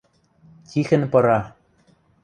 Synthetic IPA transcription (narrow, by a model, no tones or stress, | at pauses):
t̪ʲixɘ̆npɤ̆ɾɑ